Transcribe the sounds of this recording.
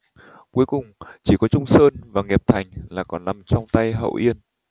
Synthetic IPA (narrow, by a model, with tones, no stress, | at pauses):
ku˨˦əjkʊ˨˩ŋ͡mt͡ɕi˧˩kɔ˨˦t͡ɕʊ˧ŋ͡msəː˧nvaː˨˩ŋɛ˨˩p̚t̪ʰa˨˩jŋ̟laː˨˩kɔ˨˦na˧mt͡ɕɔ˧wŋ͡mt̪a˧jɦə̰˧˨wʔi˧ən